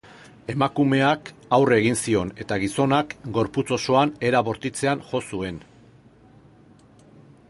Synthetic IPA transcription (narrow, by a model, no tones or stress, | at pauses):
e̞makume̞akawre̞ɣinsio̞ne̞t̪aɣ̞iso̞nakɡo̞ɾput͡so̞so̞ane̞ɾaβo̞ɾt̪it͡se̞anʝo̞sue̞n